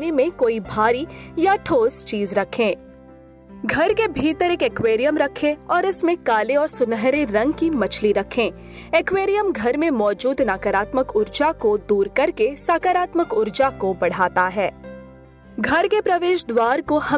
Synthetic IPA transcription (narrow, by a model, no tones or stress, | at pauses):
lemẽkoːibʱaːɾijaʈʰoːst͡ʃiːzɾɐkʰẽː | ɡʱɐɾkebʱiːt̪əɾeːkekweːɾijəmɾɐkʰẽɔːɾɪsmẽkaːleɔːɾsʊnɦɾeɾɐ̃ŋɡkimɐt͡ʃʰliɾɐkʰẽː | ekweːɾijəmɡʱɐɾmẽmɔːd͡ʒuːd̪naːkəɾaːt̪məkʊɾd͡ʒakod̪uːɾkɐɾkesaːkəɾaːt̪məkʊɾd͡ʒakobɐɽ̤aːt̪aɦɛː | ɡʱɐɾkepɾɐʋeːʃd̪waːɾkohɐ